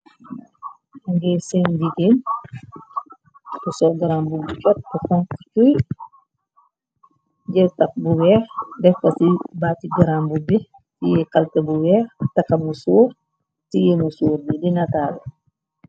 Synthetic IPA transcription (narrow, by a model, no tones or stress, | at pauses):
aŋɡɛsɛnɟiɡeːn | kusɔɡɐɾaːmbubut͡ʃɔt̚bukɔŋkt͡ʃuj | ɟɛwtɐk̚buwɛːxdɛfpɐsibaːtiɡɐɾambubɛ | tijɛkɐltɐbuwɛːxtɐkːɐmusuːɾ | tijɛmusuːɾnidinataːlɛ